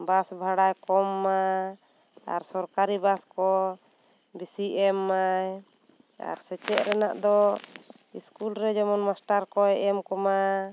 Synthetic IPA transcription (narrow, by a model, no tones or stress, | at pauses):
basbʱaɽajkɔmːa | a̰ɾsɔɾkaɾibaskɔ | bisiʔɛmːaj | a̰ɾsɛt͡ʃɛʔɾɛnaʔd̪ɔ | iskulɾɛd͡ʒɔmɔnmasʈaɾkɔɛʔɛmkɔma